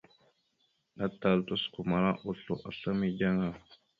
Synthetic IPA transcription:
na˦ta˨ltu˦sku˨ma˨ɾa˦ʔu˨ɬo˨ʔa˨ɬə˦mi˦d͡ʒa˦ŋa˨

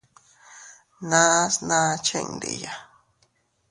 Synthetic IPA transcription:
nã˦snã˦˧t͡ʃḛ˦˧ŋd̪ḛ˨ja˨

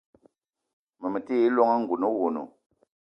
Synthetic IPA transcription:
mə˨mə˨te˦lɔ˦ŋa˦ŋ̩˨ɡu˨no˦wo˨no̰˨

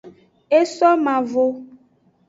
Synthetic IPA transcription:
e˦sɔ˦mã˨vo˨

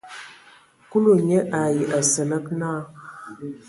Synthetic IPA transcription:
ku˦lo˨ɲe˦ʔa˨ji˨ʔa˨sə˨lə˦k̚na˦

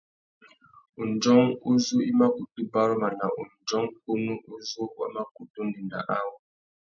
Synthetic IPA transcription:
u˨n̩˨d͡ʒɔ˦ŋu˦zu˦i˦ma˦ku˨tu˦ba˦ɾma˨na˨ʔu˨n̩˨d͡ʒɔ˦ŋku˦mu˦ʔu˦zu˦wa̰˦ma˦ku˨tu˦ni˨nda̰˨ʔa˦wu˨

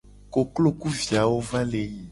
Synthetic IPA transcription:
ko˨klo˦ku˦vi˨a˨wo˦va˦le˨ji˨

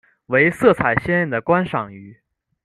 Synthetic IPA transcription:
we˧˥ɪsɤ˥˩t͡sʰa˨˩ɪɕjɛ˥˧nə˥˩nd̪ə˩kwa˥nʂɑ˨˩ŋy˧˥

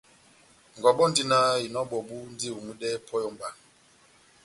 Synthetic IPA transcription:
ŋɡɔ˨ɓɔ˦ndi˦na˦i˨nɔ˦ɓɔ˨ɓu˦n˦di˦u˨mu˦ɗɛ˦pʰɔ˦jɔ˦mba˨

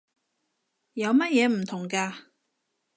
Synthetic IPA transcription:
jɐ˨˧wmɐ˥t̚jɛː˨˧m̩˨˩t̪ʰʊ˨˩ŋkaː˧

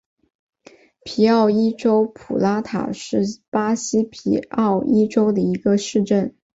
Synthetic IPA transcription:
pʰi˧˥ɑ˥˩ʊi˥ʈ͡ʂo˥ʊpʰu˨˩la˥t̪ʰa̰˨˩ʂɻ̩˥˩pa˥ɕi˥pʰḭ˨˥ɑ˥˩ʊi˥ʈ͡ʂo˥ʊd̪ə˨i˧˥ɡə˧ʂɻ̩˥˧ʈ͡ʂə˥˩n

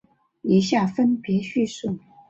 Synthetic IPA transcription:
i˨˧˥ɕja˥˩fə˥npjɛ˧˥ɕy˥˧ʂu˥˩

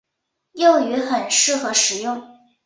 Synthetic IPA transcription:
jo˥˩ʊy˧˥xə˨˩nʂɻ̩˥˩xɤ˧˥ʂɻ̩˨˩jʊ˥˩ŋ

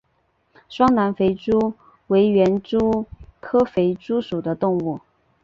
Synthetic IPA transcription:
ʂwɑ˥ŋna˧˥nfe˧˥ɪʈ͡ʂu˥ | we˧˥ɪɥɛ˧˥nʈ͡ʂu˥kʰɤ˥fe˧˥ɪʈ͡ʂu˥ʂu˨˩d̪ə˦t̪ʊ˥˧ŋu˥˩

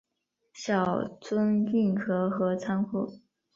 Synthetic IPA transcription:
ɕjɑ˨˩ʊt͡swə˥ni˥˩nkʰɤ˧˥xɤ˧˥t͡sʰa˥nkʰu˥˩

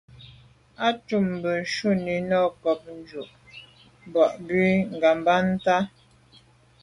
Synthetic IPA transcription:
a˦t͡ʃu˦˨m˨bə˨ʃu˦ni˨nɔ˦kɔ˨p̚n̩˦d͡ʒu˨ʔ | bɔ˨ʔbɥi˦ŋ̩˨ɡa˨mba˦n̩˦ta˦

